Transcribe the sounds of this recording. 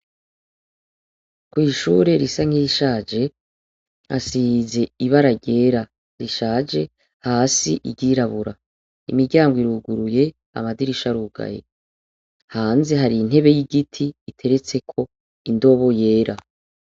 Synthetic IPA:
kwiːʃuɾe̞ɾisaŋ̥ijiʃaːd͡ʒe | ha̰size̞iβaɾaɟe̞ːɾa | ɾiʃaːd͡ʒe̞ | haːsiʔiɟiɾaβuɾa | ḭmiɾɟaːŋɡwiɾuːɡuɾuje̞ | a̰madiɾiʃaɾuːɡa̰jḛ | haːnze̞ɦaɾiːn̥e̞βe̞jiɡitʰiːtʰe̞ɾe̞t͡se̞kʰo̞ | indo̞βo̞je̞ːɾa

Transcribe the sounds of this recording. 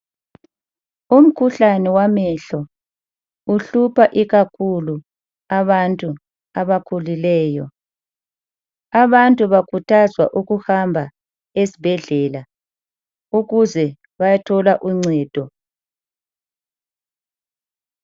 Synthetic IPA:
um̩kʰuɬanɛwamɛɬɔ | uɬupʰaʔiɣakʰulu | aβantʼu | aβakʰulilɛːjɔ | aβantʼuβakʰutʰazwaʔuɣuhambʱa | esibʱɛɮɛːla | uɣuzɛ | βajatʰɔlaʔuŋ͡ǀʱɛːd̥ʱɔ

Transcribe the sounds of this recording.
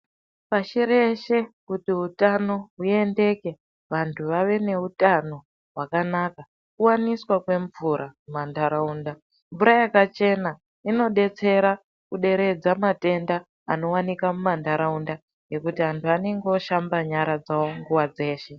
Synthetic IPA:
paʃiɾe̞ʃe̞kutiɦutano̞ɦue̞nde̞ke̞ | ʋantʰuʋaʋe̞ne̞utano̞ | ɦwakanaka | kuwaniswakwe̞ɱvuɾʔamumandaɾauːnda | ɱvuɾajakat͡ʃe̞na | ino̞ɗe̞t͡se̞ɾa | kuɗe̞ɾe̞d͡zamate̞ndaː | no̞wanikamumandaɾaunda | je̞kutiantʰuane̞ŋɡeoʃambaɲaɾad͡zawo̞ŋɡuwad͡ze̞ːʃe̞

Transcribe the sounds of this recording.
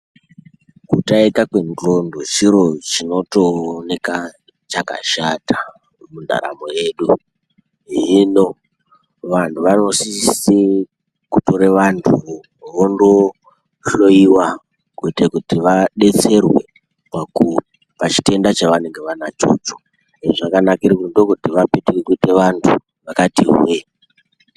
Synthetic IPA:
kutaekakwe̞ndo̞ndot͡ʃiɾo̞t͡ʃino̞to̞ne̞ka | t͡ʃaka̰ʃatḁ | munda̰ɾa̰moje̞ɗu | ɦino̞ | ʋantʰuʋano̞sise | kutoɾeʋantʰu | ʋondo | ɬo̞iwa | kuitakutiʋaɗe̞t͡se̞rwe̞̰ | paku | pat͡ʃi̥te̞ndat͡ʃaʋane̞ŋɡe̞ʋanat͡ʃo̰t͡ʃo | eʐakanakirikundokutiʋape̞tekekuite̞ʋantʰu | ʋakatiɦwe

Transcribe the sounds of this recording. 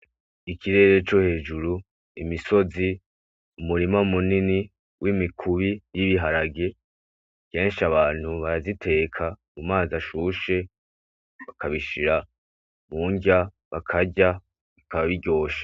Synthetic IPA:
ikʰiɾe̞ːɾe̞t͡ʃo̞he̞ːd͡ʒuɾu | imiso̞zi | umuɾimaumunini | wʔimikʰuβijiβiɦaɾaɡe̞ | ke̞ːnʃaβaːn̥huβaɾazitʰe̞ːkʰamumaːzaʃuːʃe̞ | βakʰaβiʃiɾa | muːɲɟa | βakʰaɟa | βikaβaβiɟo̞ːʃḁ

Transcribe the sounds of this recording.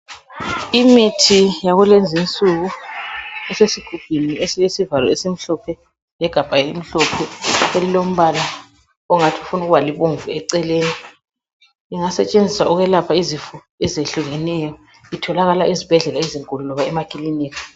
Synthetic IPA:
imitʰijaɣulend͡zʱint͡sʼuɣu | ɛsesiɡ̥ʱuɡ̥ʱwiniesijesivalɔ̰esim̩ɬɔpʰɛ | jɛɡ̥ʱab̥ʱajɛim̩ɬɔpʰɛelilom̩βala | uŋatʰiufunuɣuβaliβoɱvuɛǀɛleːni | iŋasɛt͡ʃʼend͡zʱiswauɣɛlapʰaizifu | ɛzeɬuɣɛnɛjɔ | itʰɔlaɣalaʔizib̥ʱɛɮɛlaiziŋkʼulunɔβaɛmakʼiliniːka

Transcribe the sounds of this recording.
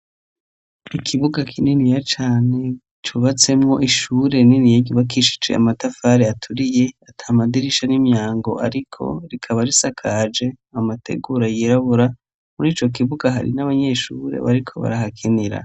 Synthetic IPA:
ikʰiβuɡakʰininijat͡ʃaːne̞ | t͡ʃuβat͡se̞mŋo̞ʔiʃuːɾe̞ninijaɟuβakiʃi̥t͡ʃḛa̰matafaɾeatʰuɾije̞atʰaːmadiɾiʃanimɲaːŋɡo̞aɾikʰo̞̰ɾikʰaβaɾisakʰaːd͡ʒe̞ | amatʰe̞̰ɡuɾajiɾaβuɾa | muɾiːt͡ʃo̞k̬iβuɡaɦa̰ɾḭnaβaɲe̞ʃuɾe̞̰βa̰ɾikʰo̞βa̰ɾaɦakʰiniɾa̰

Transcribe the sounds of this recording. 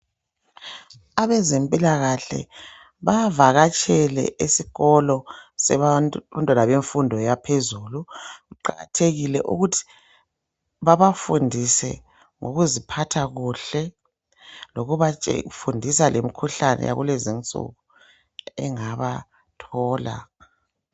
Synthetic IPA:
aβɛzempʼilaɣaɬɛ̰ | βavaɣat͡ʃʼɛlɛ̰ʔisiɣɔlɔsɛantʼwanaβeɱfundʱɔjapʰezuluɣuǃa̰ɣa̰tʰeɣilɛ̰ʔṵɣutʰi̥ | βaβafundʱisɛ̰ | ŋo̰ɣuzipʰatʰaɣuɬɛ | loɣuβat͡ʃʼɛ̰fundʱisalʔemikʰuɬanɛ̰ja̰ɣṵlɛzint͡sʼṵɣu | ɛŋaβa | tʰɔːla̰

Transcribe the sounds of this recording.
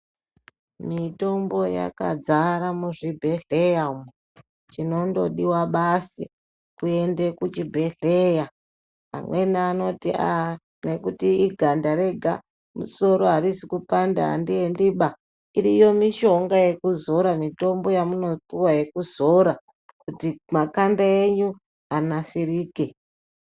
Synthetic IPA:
mito̞mbo̞ja̰ka̰d͡zaɾamuʐibʱe̞ɮe̞jamu | t͡ʃino̞ndo̞̰ɗiwaɓasi | kue̞ndekut͡ʃibʱe̞ɮeja | ɦa̰mwe̞naːno̞tia | ne̞kutiːɡʱandaɾe̞ɡʱa | mṵso̞ɾo̞ɦaɾisikupanda̰a̰ndiendiɓa | iɾijo̞miʃo̞ŋɡaje̞kuzo̞ɾamito̞mbo̞jamuno̞puwaje̞kuzo̞ɾa | kutimakandaeɲu | anasiriːke̞

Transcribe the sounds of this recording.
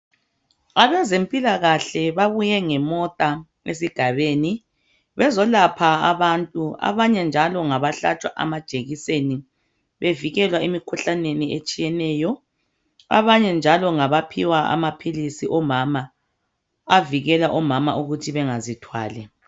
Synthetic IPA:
aβɛzempʼilaɣaɬɛβaβujɛŋɛmɔtʼa | ḛs̬iɡ̥ʱaβeːni | βɛzɔlapʰaaβantʼua̰βaɲɛnd͡ʒʱalɔŋaβaɬat͡ʃʼwaʔa̰mad̥ʒ̥ʱeɣiseni | βeviɣɛlwaemikʰuɬaneniʔet͡ʃʼijɛnɛːjɔ | a̰βaɲɛnd͡ʒʱalɔŋaβapʰiwaʔa̰mapʰilisiʔɔmamaː | viɣɛlaʔɔmama̰ʔuɣutʰiβɛŋazitʰwa̰ːlɛ

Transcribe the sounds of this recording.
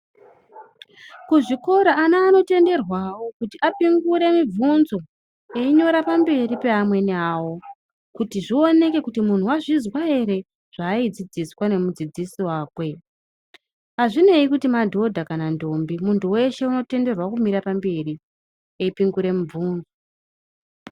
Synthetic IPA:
kuʐiko̞ɾaːnaːno̞te̞nde̞rwawo̞kutiʔapiŋɡuɾe̞mivunzo̞ | eiɲo̞ɾapambe̞ɾipe̞amwe̞nawo̞ | kutiʐio̞ne̞ke̞kutimun̤uwaʐizwae̞ɾe̞ | ʐ̥aid͡zid͡ziswane̞mud͡zid͡zisiwaːkwe̞ | aʐine̞ikutimadʱo̞dʱakanando̞mbimuntʰuwe̞ʃe̞uno̞te̞nde̞rwakumiɾapambe̞ri | eipiŋɡuɾe̞muvuːnzo

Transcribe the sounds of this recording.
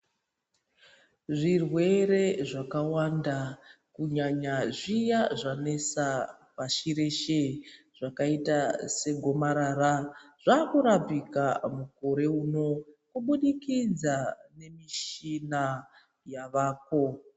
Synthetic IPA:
ʐirwe̞ɾe̞ʐakawanda | kuɲaɲaʐijaʐane̞sa | paʃiɾe̞ʃe | ʐ̥akaitase̞ɡʱo̞maɾaːɾaʐ̥akuɾapikamukoɾe̞uːno̞kuɓuɗikid͡zane̞miʃina | jaʋaːko̞

